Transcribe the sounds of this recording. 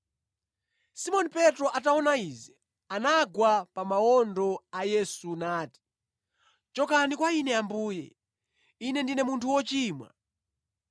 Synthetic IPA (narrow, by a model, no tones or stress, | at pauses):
simɔnipɛtɾɔʔataɔnaiːzɛ | anaɡwapamaɔndɔajɛsunaːti̥ | t͡ʃɔkanikwainɛambuːjɛ̰ | inɛndinɛmuntʰuwɔt͡ʃiːmwa̰